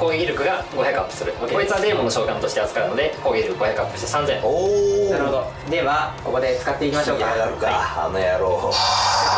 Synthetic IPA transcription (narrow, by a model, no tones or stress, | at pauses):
ko̞ːɡʲeɡʲiɾɯ̟kɯ̟ɡaɡo̞çʲjakɯapːɯ̟̥sɨɾɯ̟koit͡sɨβazẽ̞monoɕo̞ːɡãnt̪o̞ɕi̥t̪e̞azɨ̥kaɾɯ̟no̞d̪e̞ko̞ːɡʲeɡʲiɾɯ̟kɯɡo̞çjakɯapːɯ̥i̥t̪e̥sãnzẽoaɾɯhod̪o̞ | d̪e̞βako̞ko̞d̪e̞t͡sɨ̥kat̪ːe̞ikʲimaɕo̞ːkaɡaɾɯkaa̰nojaɾoː